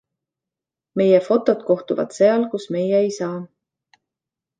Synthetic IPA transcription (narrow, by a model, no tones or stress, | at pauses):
me̞jefo̞t̪ːˑo̞t̪ko̞ht̪uvɑ̰t̪se̞ɑlkusme̞jeːjsɑː